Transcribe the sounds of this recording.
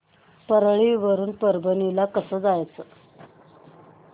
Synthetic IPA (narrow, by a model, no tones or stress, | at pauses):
pəɾɭiʋəɾuːnpəɾbənilakəsəːd͡zajt͡səː